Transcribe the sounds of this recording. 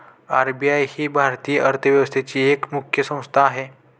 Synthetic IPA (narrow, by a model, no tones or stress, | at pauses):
aɾbijajhiːbʱaɾt̪ijəʔəɾt̪ʰəʋjəʋəst̪ʰet͡ɕiːekmukʰjəsə̃w̃st̪ʰaːɦe